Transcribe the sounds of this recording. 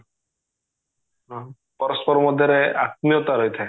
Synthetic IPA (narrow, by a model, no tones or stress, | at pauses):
pɔɾɔspɔɾɔmɔd̪ʱjɔɾeat̪̚nijɔt̪aɾojt̪ʰa